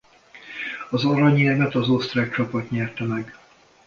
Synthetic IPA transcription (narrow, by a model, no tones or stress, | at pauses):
ɒzɒɾɒɲiɛvɛt̪ɒzo̞st̪raːk̚t͡ʃɒpɒt̪ɲɛrt̪ɛmɛɡ